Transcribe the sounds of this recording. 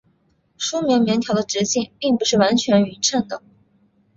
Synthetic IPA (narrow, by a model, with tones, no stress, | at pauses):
ʂu˥mji˧˥ŋmjɛ˧˥ŋt̪ʰjɑ˧˥ʊd̪ə˧ʈ͡ʂɻ̩˧˥ɕi˥˩ŋpi˥˩ŋpu˧˥ʂɻ̩˥˩wa˧˥nt͡ɕʰɥɛ˧˥ny˨˩ʈ͡ʂʰə˥˩nd̪ə˩